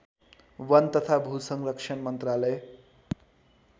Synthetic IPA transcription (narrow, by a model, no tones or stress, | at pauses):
wʌnt̪ʌt̪ʰabʱusʌŋrʌkʂʰʌnmʌnt̪ralʌj